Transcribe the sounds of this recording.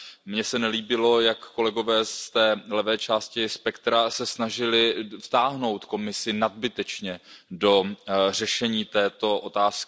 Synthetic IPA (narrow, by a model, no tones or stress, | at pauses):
mɲɛsɛnɛliːbɪlo̞jakːo̞lɛɡo̞vɛːst̪ɛːlɛvɛːt͡ʃaːscɪspɛkt̪ɾasɛsnaʒɪlɪft̪aːɦno̞wt̪ko̞mɪsɪnad̪̚bɪt̪ɛt͡ʃɲɛdo̞r̝ɛʃɛɲiːt̪ɛːt̪o̞ʔot̪aːskɪ